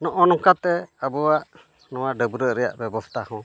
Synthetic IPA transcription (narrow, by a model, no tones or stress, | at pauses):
nɔʔɔnɔkat̪ɛabɔwaʔ | nɔwaɖəbɾəʔɾɛja̰ʔbɛbɔst̪ahɔ̃